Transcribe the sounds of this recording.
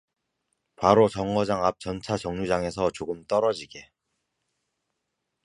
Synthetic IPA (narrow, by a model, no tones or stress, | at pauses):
paɾot͡ɕʌŋɡʌd͡ʑaŋap̚t͡ɕʌnt͡ɕʰat͡ɕʌŋɲud͡ʑaŋe̞sʰʌt͡ɕoɡɯmt͈ʌɾʌd͡ʑiɡe̞